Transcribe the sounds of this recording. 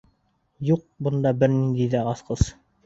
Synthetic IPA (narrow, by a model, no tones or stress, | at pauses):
juq̚bŏnd̪ɑbɘɾnind̪ijðæʁɑsqɤs